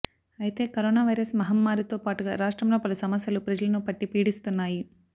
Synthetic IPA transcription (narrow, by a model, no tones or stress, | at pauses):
ɐjit̪e̞ːkɐɾoːnaːʋɐjɾɐsmɐɦɐmːaːɾit̪o̞ːpaːʈuɡa̰ːɾaːʂʈɾɐmlo̞ːpɐlusɐmɐsjɐlupɾɐd͡ʒɐlɐnupɐʈːipiːɽist̪unːaːji